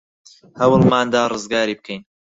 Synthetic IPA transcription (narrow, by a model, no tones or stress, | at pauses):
hɐwɨlmaːnd̪aːrɨzɡaːɾiːb̚kʰejn